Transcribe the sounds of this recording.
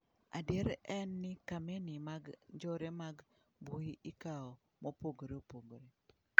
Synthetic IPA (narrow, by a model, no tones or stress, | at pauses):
a̰deɾɛnːɪkamenɪmaɡd͡ʒɔɾemaɡ | buiikaɔ | mopoɡoɾeopoɡoɾe